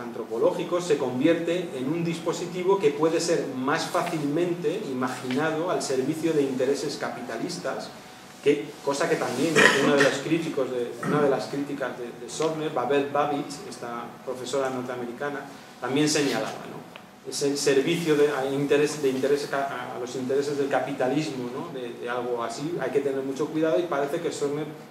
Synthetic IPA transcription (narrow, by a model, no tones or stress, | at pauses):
ant̪ɾo̞po̞lo̞xiko̞se̞ko̞mbje̞ɾt̪e̞ːnund̪ispo̞sit̪iβ̞o̞ke̞pwe̞ðe̞se̞ɾmasfaθilmẽ̞nt̪e̞imaxinað̞o̞alse̞ɾβiθjoðeint̪e̞ɾe̞se̞skapit̪alist̪as | ke̞ko̞sake̞t̪ambje̞nunaðeloskɾit̪iko̞zðeunaðe̞laskɾit̪ikazðe̞ðe̞so̞βneɾβaβe̞lbaβit͡ʃe̞st̪apɾo̞fe̞so̞ɾano̞ɾt̪eame̞ɾikana | t̪ambje̞nse̞ɲala̰βa̰no̞̰ | esese̞ɾβiθjoðeaint̪e̞ɾe̞sd̪ðeint̪e̞ɾe̞saaa̰lo̞sint̪e̞ɾe̞se̞zð̞e̞lkapit̪alizmono̞ðeðealɣ̞o̞asia̰jke̞t̪e̞ne̞ɾmut͡ʃo̞kwiðað̞o̞ipaɾe̞θe̞ke̞soɾneɾ